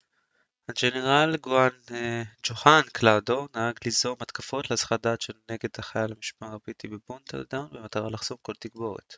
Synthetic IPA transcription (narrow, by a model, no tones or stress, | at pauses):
and͡ʒeneʁalɡoand͡ʒoχanklawd̪o̞naaɡlizo̞mat̪kafo̞tlesχad̪at͡ʃʃelneɡe̞d̪aχajalamiʃpaaʁabit̪ibebunt̪a̰ld̪awnbemat̪aʁalaχz̥omko̞lt̪iɡbo̞ʁḛt̪